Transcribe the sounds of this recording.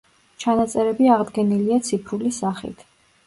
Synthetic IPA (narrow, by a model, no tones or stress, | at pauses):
t͡ʃʰanat̪sʼɛɾɛbiaʁd̪ɡɛniliat̪sʰipʰɾulisaχḭt̪ʰ